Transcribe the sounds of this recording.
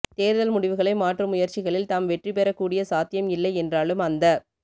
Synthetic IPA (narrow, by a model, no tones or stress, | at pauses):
t̪eːɾðɐlmʊɽɪʋɯɣɐɭɐɪmaːʈrɯmʊjɐɾt͡ʃɪɣɐɭɪlt̪aːmʋɛʈripɛɾɐkːuːɽɪjɐsaːt̪ɪjɐmɪlːɐɪɛndraːɭɯmɐnd̪ɐ